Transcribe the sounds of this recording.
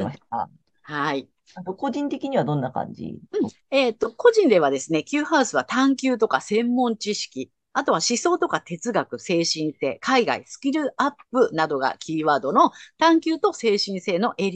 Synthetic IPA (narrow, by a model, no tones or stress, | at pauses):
mḁa̰ | hai | at̪oko̞ʑĩnt̪e̞kʲiɲ̟iβad̪õ̞nːakã̰ɲd͡ʑḭɯ̟̃ɴ | e̞ːt̪ːo̞ko̞ʑĩnd̪e̞β̞ad̪e̞sɨne̞kʲɨːhaɯsɨβat̪ãŋkʲɨːt̪o̞kasẽ̞mːõ̞ɲt͡ɕiɕi̥kʲi | at̪o̞βaɕiso̞ːt̪o̞kat̪e̞t͡sɨɡakɯ̟se̞ːɕĩnt̪e̞̰kaiɡa̰ḭsɨ̥kʲiɾɯ̟ʔapːɯ̟nad̪o̞ɡa̰kʲiːβaːd̪o̞no̞t̪ãŋkʲɨːt̪o̞se̞ːɕĩɰ̃se̞ːno̞ʔe̞ɾʲ